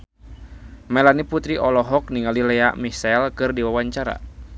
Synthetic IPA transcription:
mɛlaniput̪ɾiʔɔlɔɦɔk̚niŋalilɛa̰ʔmisɛlkɨrdiwawaɲt͡ʃaɾa̰

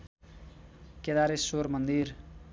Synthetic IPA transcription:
ked̪aɾesoɾmʌnd̪ir

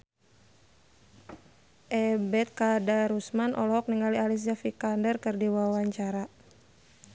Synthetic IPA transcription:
ʔɛbɛt̪̚kadaɾusmanʔɔ̰lɔɦɔk̚niŋalialis̬d͡ʒafikandərkɨrdiwawaɲt͡ʃaɾa

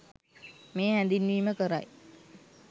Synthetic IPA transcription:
meːɦænd̪inʋiːməkəɾa̰j

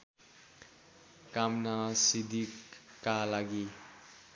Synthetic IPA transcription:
kamnʌsid̪ikkalaɡi

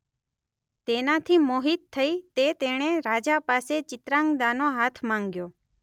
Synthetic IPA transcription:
t̪enat̪ʰimoɦit̪ʰːəit̪et̪eɽ̃eɾad͡ʒapaset͡ʃɪt̪ɾãŋɡd̪anoɦat̪ʰmãŋɡjoː

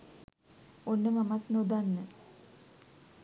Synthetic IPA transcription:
onːəmamat̪nod̪anːə

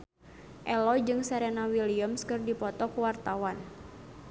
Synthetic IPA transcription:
ʔɛlɔd͡ʒɨŋsɛɾɛnawiliəmskɨrdipɔt̪ɔkuwart̪awan

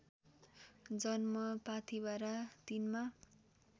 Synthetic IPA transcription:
d͡zʌnmʌpat̪ʰibaɾat̪inma

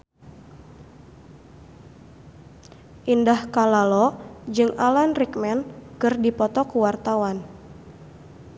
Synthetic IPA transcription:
ʔindahkalalɔd͡ʒɨŋalanrik̚mɛnkɨrdipɔt̪ɔkuwart̪awan

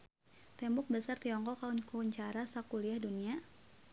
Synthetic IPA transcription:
t̪ɛmbʊk̚bəsart̪iɔŋkɔkaunkuɲt͡ʃaɾasakuliahdunia

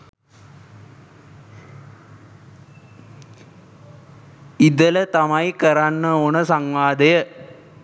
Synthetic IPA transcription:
id̪ələt̪amajikəɾanːəonəsaŋʋaːd̪ɐjə

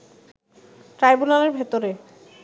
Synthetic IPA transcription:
ʈɾajbunaleɾbʱet̪oɾe

